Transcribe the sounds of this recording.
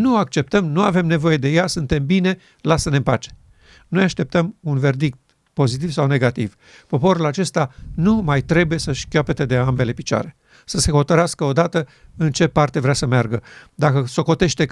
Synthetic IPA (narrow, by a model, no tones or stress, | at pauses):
nuak̚t͡ʃe̞p̚t̪əmnuave̞mne̞vo̞je̞d̪e̞jasɨnt̪e̞mbine̞ | lasəne̞mpat͡ʃe̥ | nojaʃt̪e̞p̚t̪əmunve̞rd̪ik̚t̪ | po̞zit̪̬ivsawne̞ɡat̪ḭv | po̞po̞ɾulat͡ʃe̞st̪anumajt̪ɾe̞buje̞səʃkʲoape̞t̪e̞d̪e̞ambe̞le̞pit͡ʃoa̰ɾe̞ | səse̞xo̞t̪əɾeaskəo̞d̪at̪əɨnt͡ʃe̞part̪e̞vɾeasəmearɡəd̪akəso̞ko̞t̪e̞ʃt̪e̞